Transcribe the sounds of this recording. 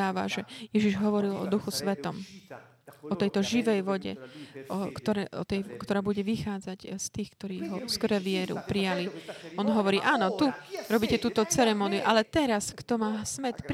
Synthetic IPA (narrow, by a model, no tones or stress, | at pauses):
aːʋa̰ʒɛjɛʒiʒɦɔʋɔɾilɔ̰d̪uxusʋɛt̪ɔm | ɔt̪ɛjt̪ɔʒiʋɛjʋɔɟɛ̰ɔkt̪ɔɾɛʔɔ̰t̪ɛjkt̪ɔɾaːbuɟɛʋixaːd͡zacst̪iːxkt̪ɔɾiːɦɔskɾɛʋɪɛɾṵpɾijaliɔnɦɔʋɔɾiːʔaːnɔt̪uɾɔbiːcɛt̪uːt̪ɔt͡sɛɾɛmɔniṵʔalɛt̪ɛɾaskt̪ɔmaːsmɛt̪p